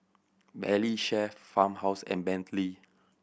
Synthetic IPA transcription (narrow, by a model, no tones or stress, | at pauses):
bɛliʃɛfãmhawsɛ̰̃nbɛ̃ntʰli